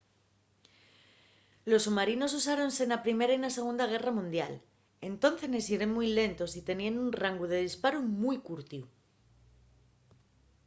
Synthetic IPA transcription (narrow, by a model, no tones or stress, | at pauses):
lo̞sːumaɾino̞s̬usaɾo̞nse̞napɾime̞ɾainase̞ɣ̞und̪aɣ̞e̞ramũnd̪ja̰l | e̞nt̪o̞nθe̞ne̞siɾenmujle̞nt̪o̞sit̪e̞nianunraŋɡuð̞e̞ð̞ispaɾumujkuɾt̪iu